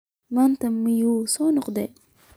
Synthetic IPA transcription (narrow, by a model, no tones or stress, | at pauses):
mant̪amːijusonɔqd̪ɛ